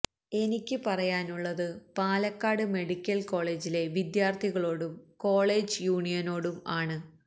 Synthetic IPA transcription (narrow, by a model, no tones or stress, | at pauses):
e̞nikʲːɨpɐrɐjaːnuɭːɐðɨpaːlɐkːaːɽɨme̞ɽikʲːɐlko̞ːɭe̞ːd͡ʑile̞ʋid̪jaːrt̪ʰiɣɐɭo̞ːɽumko̞ːɭe̞ːd͡ʑɨjuːɳijɐno̞ːɽumaːɳɨ